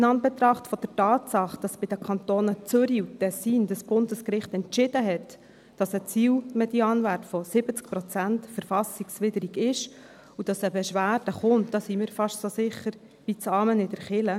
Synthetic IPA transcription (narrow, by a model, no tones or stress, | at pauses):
nɑnb̥ɛt̪ɾɑχtfɔd̥ɛɾtɑːtsɑχd̥ɑsb̥ɪd̥əkʰɑnt̪oːnət͡sʏɾiutɛsiːndɑsb̥ʊndəskɾɪχtɛntt͡ʃɪd̥əɦɛt | d̥ɑsət͡siːlmɛd̥iɑːnværtfɔsɪbət͡skpɾɔt͡sæntfəɾfɑsiksvɪdəɾiɡɪʃ | ud̥ɑsəbɛʃʋæːɾd̥əχʊntd̥ɑsimɪːɾfɑʃtsosɪχəɾ | ʋit͡sɑːmənɪdɛɾχɪlə